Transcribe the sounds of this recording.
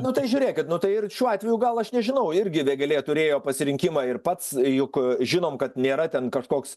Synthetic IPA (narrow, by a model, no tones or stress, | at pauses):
nʊt̪ɐɪʒʲʊːɾʲeːkʲɪt̪nʊt̪ɐɪɪrʃʲuːɑːt̪ʲʋʲɛjuːɡɐlˠɐʃnʲɛʒʲɪnɐʊɪɾʲɡʲɪʋʲeːɡʲɐlʲeːt̪ʊɾʲeːjoːpɐsʲɪɾʲɪŋʲkʲɪmɑːɪrpɐt̪sjʊkʒʲɪnoːmkɐt̪nʲeːɾɐt̪ʲɛnkɐʃkoːks